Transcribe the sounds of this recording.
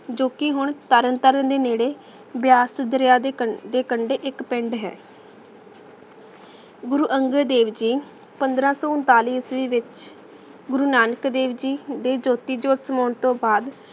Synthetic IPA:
d͡ʒoːkɪɦʊɳt̪əɾənt̪əɾənd̪eːneːɽeː | bjaːsd̪əɾjaːd̪eːkəɳɖeːʔɪkpɪɳɖɦɛ̰ː | ɡʊɾuːʔəŋɡəd̪eːʋd͡ʒiː | pənd̪ɾãːsɔːʊnt̪aːliːsʋiːʋɪt͡ʃ | ɡʊɾuːnaːnəkd̪eːʋd͡ʒiːd̪eːd͡ʒoːt̪iːd͡ʒoːt̪səmaːɳt̪õːbaːd̪

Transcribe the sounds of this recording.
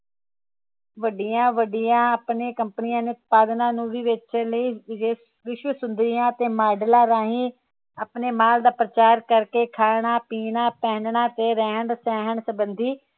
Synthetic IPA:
ʋəɖijãːʋəɖɪjãːəpneːkəmpənijãːnẽʊt̪̚paːd̪nãːnũːʋiːʋɪt͡ʃləiːd͡ʒeː | ʋɪʃʋəsʊnd̪ɾɪjãːt̪eːmaːɖəlãːɾaːɦĩː | əpneːmaːld̪aːpɾət͡ʃaːɾkəɾkeːkʰaːɳ̃aːpiːɳãːpɛːnɳaːt̪eːɾɛːəɳsɛːɦəɳsəbənd̪ʱiː

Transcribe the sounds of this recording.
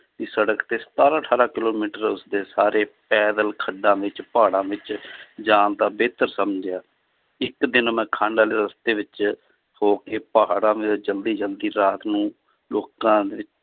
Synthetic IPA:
iːsəɽəkt̪eːst̪aːɾaːʈʰaːɾaːkɪloːmiːʈəɾʊsd̪eːsaːɾeːpɛːd̪əlkʰəɖãːʋɪt͡ʃpaːɽãːʋɪt͡ʃd͡ʒaːnt̪aːbeːt̪əɾsəmd͡ʒjaː | ɪkd̪ɪnmɛ̃ːkʰãːɳɖaːleːɾəst̪eːʋɪt͡ʃ | hoːkeːpəɦaɽãːʋɪd͡ʒəld̪iːd͡ʒəld̪iːɾaːt̪nũː | loːkãːd̪eːʋɪt͡ʃ

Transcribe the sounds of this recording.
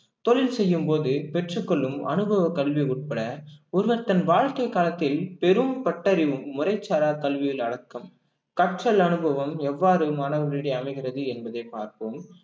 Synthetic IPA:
t̪ɔɭɪlsɛjːɯmpoːðɯpɛʈrɯkːɔɭːɯmɐ̰nɯbʱɐʋɐkɐɭʋiʊʈ̚pɐɽɐɔɾɯʋɐɾt̪ɐnʋaːɻkːɐɪkːaːlɐt̪ːɪlpɛɾɯmpɐʈːɐɾɪʋɯmːʊrɐɪt͡ʃːaːɾaːkɐɭʋɪjɪlɐɽɐkːɐm | kɐʈrɐlɐnɯbʱɐʋɐmɛʋːaːɾɯmaːnɐʋɐɾiːɽɐɪɐmɐɪɣɪrɐðɯɛnbɐðɐɪpa̰ːɾkoːm

